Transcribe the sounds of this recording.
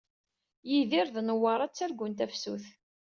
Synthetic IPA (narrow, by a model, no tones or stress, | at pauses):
jiðɪɾðnəwɑɾˤɑt͡sːæɾɡʊnt̪æfsṵθ